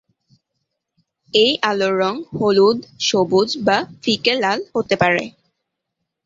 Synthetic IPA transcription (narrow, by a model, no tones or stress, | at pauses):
ejʔaloɾːɔŋholud̪ʃobud͡ʑbafikelalhot̪epaɾḛ